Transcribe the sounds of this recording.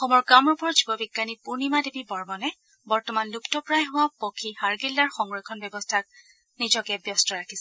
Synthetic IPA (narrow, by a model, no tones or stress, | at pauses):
xɔmɔɹɡamɹupɔɹzibɔbiɡːanipunimadebibɔɹmɔnɛ | bɔɹtɔmanluktɔpɹajɦʊ̃wapokʰihaɹɡilːaɹxɔŋɹɔkʰɔnbjɔbɔstʰak̚ | nizɔkɛbjɔstɔɹakʰisɛ